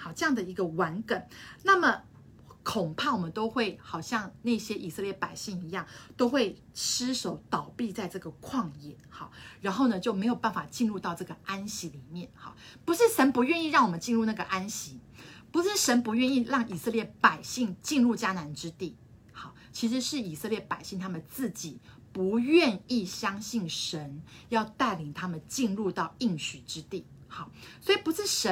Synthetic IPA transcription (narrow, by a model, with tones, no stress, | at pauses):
xɑ˨˩ʈ͡ʂɤ˥˧jɑ˥˩ŋd̪ə˩i˧˥ɡə˧wa˧˥nkə˨˩˦nna˥˩mə˩ | kʰo˨˩ŋpʰa˥˩wɔ˨˩mə˦nt̪o˥ʊxwe˥˩ɪxɑ˨˩ʊɕjɑ˥˧ŋna˥˩ɪɕjɛ˥ʔi˨˩sɤ˥˧ljɛ˥˩pa˨˩ɪɕi˥˩ŋi˧˥jɑ˥˩ŋt̪o˥ʊxwe˥˩ɪ | ʂɻ̩˥ʂo˨˧˥ʊt̪ɑ˨˩ʊpi˥˧t͡sa˥˧ɪʈ͡ʂɤ˥˩ɡə˩kʰwɑ˥˧ŋjɛ˥˩xɑ̰˥˩ɻa˧˥nxo˥˩ʊnə˩t͡ɕjo˥˩ʊme˧˥ɪjo˨˩ʊpa˥˩nfa˨˩t͡ɕi˥˧nɻu˥˧t̪ɑ˥˧ʊʈ͡ʂɤ˥˩ɡə˩a˥nɕi˧˥li˨˩mjɛ˥˩nxɑ̰˩ | pu˧˥ʂɻ̩˥˩ʂə˧˥npu˧˥ɥɛ˥˧ni˥˧ɻɑ˥˩ŋwɔ˨˩mə˦nt͡ɕi˥˧nɻu˥˧na˥˩ɡə˩ʔa˥nɕi˧˥˦ | pu˧˥ʂɻ̩˥˩ʂə˧˥npu˧˥ɥɛ˥˧ni˥˧ɻɑ˥˩ŋi˨˩sɤ˥˧ljɛ˥˩pa˨˩ɪɕi˥˧ŋt͡ɕi˥˧nɻu˥˩t͡ɕja˥na˧˥nʈ͡ʂɻ̩˥t̪i˥˩ | xɑ̰˥˩ | t͡ɕʰi˧˥ʂ̬ɻ̩˧˥ʂɻ̩˥˩i˨˩sɤ˥˧ljɛ˥˩pa˨˩ɪɕi˥˩ŋt̪ʰa˥mə˨˩t͡sɹ̩˥˩t͡ɕi˨˩ | pu˧˥ɥɛ˥˧ni˥˩ɕjɑ˥ŋɕi˥˩nʂə˧˥njɑ˥˧ʊt̪a˥˩ɪli˨˩ŋt̪ʰa˥mə˨nt͡ɕi˥˧nɻu˥˧t̪ɑ˥˧ʊi˥˩ŋɕy˨˩ʈ͡ʂɻ̩˥t̪i˥˩xɑ˥˩swɔ˧˥i˨˩pu˧˥ʂɻ̩˥˩ʂə˧˦˥